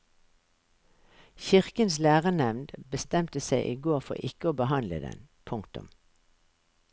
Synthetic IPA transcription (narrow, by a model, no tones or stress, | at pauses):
çɪʁkənslæːʁənɛʋnd̪bəst̪ɛmt̪əseɪʔiːɡoːʁfɔ̰ʁɪkəoːbəhɑnlə̰d̪ɛ̰n | pʰʊŋkt̪ʊ̰m